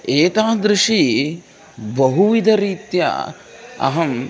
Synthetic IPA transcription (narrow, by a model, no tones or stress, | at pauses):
eːt̪aːd̪ɾɪʂi | bɐɦuʋid̪ʱɐɾiːt̪jɐ̰ | ɐ̰ɦɐm